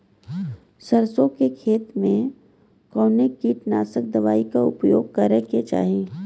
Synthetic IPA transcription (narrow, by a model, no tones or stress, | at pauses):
sɐɾsõkekʰeːt̪mẽ | kɔːnekiʈna̰ːsək̚d̪ɐʋaːikaʊpjoːɡ̚kɐɾɛɦket͡ʃa̰ːɦẽː